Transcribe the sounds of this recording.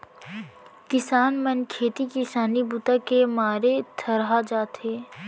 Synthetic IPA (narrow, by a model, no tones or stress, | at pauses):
kɪsaːnmənkʰeːt̪ikɪsaːnibʊt̪akemaːɾet̪ʰəɾɦad͡ʒaːt̪ɦeː